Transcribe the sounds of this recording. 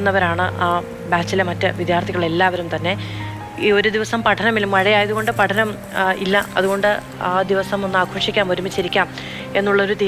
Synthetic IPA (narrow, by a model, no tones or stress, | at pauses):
nːɐʋɐɾaːɳɨʔa | baːt͡ɕːilemɐtːɨʋid̪jaːrt̪ʰiɣɐɭe̞lːaːʋɐɾumt̪ɐnːe̞ | oɾud̪iʋɐsɐmpɐʈʰɐnɐmilumʋɐɻɐjaːjɐðuɣo̞ɳɖɨpɐʈʰɐnɐm | ilːɐɐ̰ðuɣo̞ɳɖɨ | aːd̪iʋɐsɐmo̞nːɨaːkʰoːʂikʲːaːmo̞ɾumit͡ɕːɐɾikʲːaːm | e̞nːuɭːɐo̞ɾut̪i